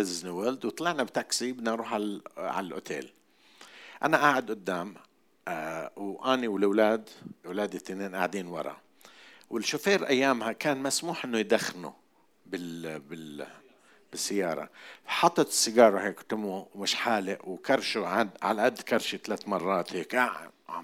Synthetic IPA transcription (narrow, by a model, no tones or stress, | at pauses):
ɪznɪwald̪wt̪ˤɑlɑʕnabt̪aksibɪd̪nanɾuːħaʕa̰lalʔʊ̰t̪ʰḛːl | ʔanaʔaːʕʊd̪ʔʊd̪ːaːm | wʔaːniwlwlaːd̪wlaːd̪ɪt̪ːneːnʔaʕd̪iːnwɑ̰ɾˤɑ̰ | wɪlʃʊfeːɾʔajːaːmhakaːnmasmuːħʔɪnːʊjd̪axnṵ | bɪbɪ | b̥ɪsːɪjːɑːɾˤɑ̰ħɑt̪ˤːɑt̪ɪ̥sːɪɡɑːɾˤɑɦeːkt̪ʊmuwmɪʃħaːlɪʔwkɑɾˤʃuʕad̪ʕa̰laʔad̪ːkɑɾˤʃit̪alaːt̪mɑrˤːɑːt̪heːkʔa